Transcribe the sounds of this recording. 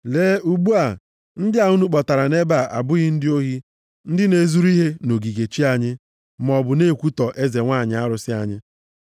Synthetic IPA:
leː˦u˨ɡ͡bu˦a˨ | n̩˦dɪ˦a˨u˦nu˦k͡pɔ˨ta˨ɾa˨ne˦ba˨ʔa̰˨bʊ˦ɣɪ˦n̩˦dɪ˦o˦ɦi˦ | n̩˦dɪ˦ne˨zu˦ɾi˦ɦe˦no˨ɡi˨ɡe˨t͡ʃi˦a˨ɲɪ˦ | m˨ɔ˨bʊ˨ne˦˨kʷu˦tɔ˨ʔe˦ze˨ŋʷa˦˨ɲɪ˨˦a˦ɾʊ˨sɪ˦a˨ɲɪ˦

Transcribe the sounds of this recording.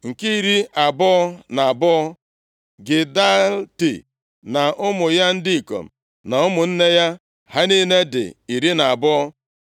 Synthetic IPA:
ŋ̩˨ki˦i˨ɾi˦a˨bʊ˦ɔ˦na˨a˨bʊ˦ɔ˦ | ɡɪ˨da˦ltḭ˨ | na˨ʔʊ˦mʊ˨ja˦n̩˦dɪ˦i˨ko̰˨m̩˨ | na˨ʊ˦mʊ˨n̩˦ne˦ja˦ | ha˦ni˦ne˦dɪ̰˨i˨ɾi˦na˨a˨bʊ˦ɔ˦

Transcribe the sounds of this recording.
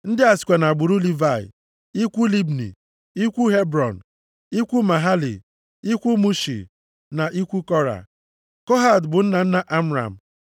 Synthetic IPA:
n̩˦dɪ˦a˨sɪ̥˨kʷa˨na˨ɡ͡bu˨ɾu˦li˦va˦˨ɪ̰˨ | i˦kʷu˦li˦bnḭ˨ | i˦kʷu˦ɦe˦bɾɔ˨n̩˨ | i˦kʷu˦ma˨ɦa˦lḭ˨ | i˦kʷu˦mu˦ʃḭ˨ | na˨ʔi˦kʷu˦kɔ˦ɾa̰˨ | kɔ˦ɦa˨dbʊ˨n̩˦na˨n̩˦na˦ʔa˦m̩˦ɾa̰˨m̩˨

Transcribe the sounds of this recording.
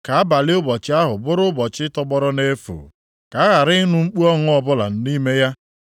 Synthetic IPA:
ka˨a˦ba˨lɪ˦ʊ˦bɔ˨t͡ʃɪ˦a˦ɦʊ˨bʊ˦ɾʊ˦bɔ˨t͡ʃɪ˦tɔ˦ɡ͡bɔ˦ɾɔ˦ne˦fo̰˨ | ka˨a˦ɣa˨ɾɪ˦nu˦ŋ͡m̩˦k͡pu˦ɔ˦ŋʊ˦ɔ˦bʊ˦la̰˨n̩˦ni˦me˦ja˦

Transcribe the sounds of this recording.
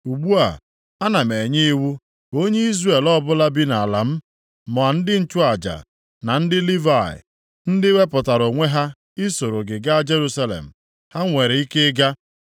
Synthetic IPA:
u˨ɡ͡bu˦a̰˨ | a˦na˨me˨ɲe˦i˦wu˦ | o˦ɲe˦i˦zre˨lɔ˦bʊ˦la˦bi˦na˨a˨la˨m̩˦ | mɔ˨a˨n̩˦dɪ˦n̩˦t͡ʃʊ˦a˨d͡ʒa̰˨ | na˨n̩˦dɪ˦li˦va˨ɪ̰˨ | n̩˦dɪ˦we˦pʊ˨ta˨ɾo˨ŋʷe˦ɦa˦ | ɪ˦so˨ɾo˨ɡɪ˨ɡa˦d͡ʒe˦ɾu˦sa˦lḛ˨m̩˨ | ha˦ŋʷe˨ɾe˨i˦ke˦ɡa˦

